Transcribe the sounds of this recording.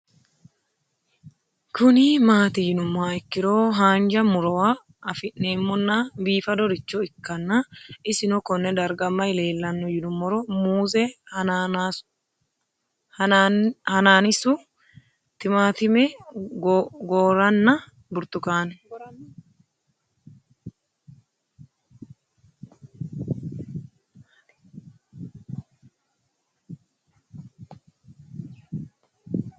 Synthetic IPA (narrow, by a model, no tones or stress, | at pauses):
kʊnimaːt̪ɪjɪnʊmːaːɪkːɪɾoːɦaːnd͡ʒɐmʊɾɔwa | ɐfɪʔneːmːɔnːabiːfɐd̪ɔɾɪt͡ʃːɔɪkːɐnːɐɪsɪnɔkɔnːɛd̪ɐɾɡɐmːɐɪle̞ːlːɐnːʊjɪnʊmːɔɾɔmuːzɛ | hɐnaːnɪsu | t̪ɪmaːt̪ɪmɛ | ɡoːɾɐnːɐ | bʊɾt̪ʊkaːn